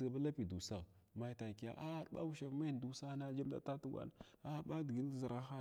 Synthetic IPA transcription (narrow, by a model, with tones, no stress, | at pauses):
ɡba˦la˦pi˨du˨sa˦˨ | ma˨jta˨ki˨a̰˨ʔa˦ɓa̰˦u˦ʃa˨vma˦˨du˨sa˦na˦d͡ʒa˦mda̰˨ta˦tu˦ɡʷa̰˨na˨ | a˦ba˦di˨ɡi˦n˦zə˨ɾa˦xa˦